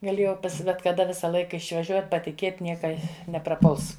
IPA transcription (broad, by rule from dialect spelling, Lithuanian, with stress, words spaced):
ɡɐˈlʲeːjɛʊ bʲɛt kɐˈdɐ ˈʋʲɪsɐ ˈlˠɐɪkɐ ɪʃʋɐˈʒʲuɔtʲ pɐtʲɪˈkʲeːtʲ ˈnʲiɛkɐ nʲɛprɐˈpʊlˠs